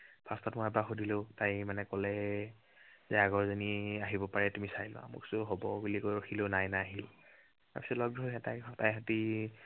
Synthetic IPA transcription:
b̥ʰʱastɔtmɔjɛbaxodilotajmanɛkɔlɛ | zɛaɡɔɹzɔniaɦibɔpaɹɛtumisajlʊ̰a̰mʊ̰ksʊɦobɔɡulikojoxʰilonajnaaɦil | ta̰ɹpisɔtlɔɡdɔɦɛtajtajɦati

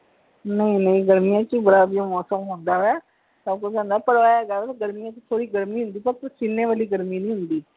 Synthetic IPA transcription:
nəĩnəĩɡəɾmijãːkibəɾaːbiõmɔːsəmɦʊ̃ːnd̪aːɦɛː | səb̚kʊt͡ʃd͡ʒãːnd̪aːpəɽʋaːɡaːɡəɾmijãːkit̪ʰoːɽiːɡəɾmiːɦʊ̃nd̪iːpəɾt̪t͡ʃɪnːẽːʋaːliːɡəɾmiːnə̃ːɦʊnd̪iː

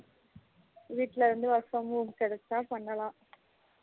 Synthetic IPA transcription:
ʋiːʈːlɐɾɐnd̪ɯʋɐɾfɐmuːmkɛɽɛt̪ːaːpɐɳːɐlãː

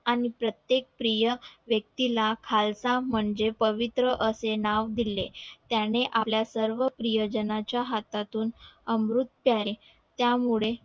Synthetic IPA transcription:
aɽ̃ipɾət̪jek̚pɾijəʋjək̚t̪ilakʰalsam̤əɳd͡zepəʋit̪ɾəʔəsenaʋd̪ilet̪janeʔapljasəɾʋəpɾijod͡ʑənat͡ɕjaɦat̪at̪uːnəmɾut̪pjae | t̪jamuɭe

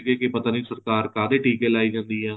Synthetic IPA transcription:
ɡeːkepət̪aːnisəɾkaːɾkaːd̪eːʈiːkeːlaːid͡ʒãːnd̪iːɦɛː

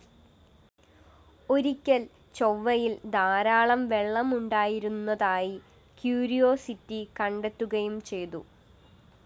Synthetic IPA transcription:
o̞ɾikʲːɐl | t͡ɕoʋːɐjild̪aːɾaːɭɐmʋe̞ɭːɐmuɳɖaːjiɾunːɐðaːji | kjuːɾijo̞ːsitːikɐɳɖe̞t̪ːuɣɐjumt͡ɕe̞jt̪u

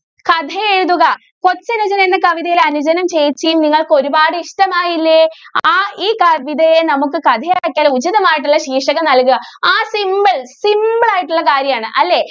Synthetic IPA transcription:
kɐd̪ʱɐjeɻuðuɣɐ | ko̞t͡ɕːɐnud͡ʑɐnɐenːɨkɐʋiðɐjileɐnud͡ʑɐnɐmt͡ɕe̞jit͡ɕːijumniŋːɐɭkɨo̞ɾubaːɽɨiʂʈɐmaːjilːeaːiːkɐʋid̪ɐjenɐmukːɨkɐd̪ʱɐjaːkʲːaːlud͡ʑiðɐmaːjiʈ̬ːuɭːɐɕiːʂɐɣɐnɐlkuɣɐaːsimbɐɭsimbɐɭaːjiʈːuɭːɐkaːɾjɐmaːɳɨʔɐlːe̞ː

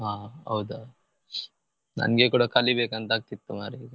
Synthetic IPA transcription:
ɦaːɐ̰wd̪a | nɐ̰nɡekuːɽɐkɐlːibeːkɐnt̪aːɡ̚t̪it̪ːumaːɾuiːɡɐ

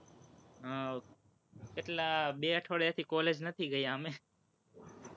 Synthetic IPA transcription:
ɦː | kɪʈlaːɓeːəʈʰoːɽjaːt̪ʰiːkoːleːd͡ʒnət̪ʰiɡəiːɦaːmẽː

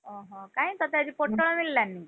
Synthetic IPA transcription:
ə̃ɦə̃kaiːt̪ɔt̪jad͡ʑiːpoʈːəɭmilːjanːi

